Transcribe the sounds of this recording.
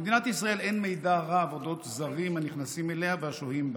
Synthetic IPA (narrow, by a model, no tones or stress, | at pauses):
ed̪inat̪isʁae̞le̞nme̞jdaʁaːvodo̞t̪zaʁimhaniχnasimele̞aveaʃohimb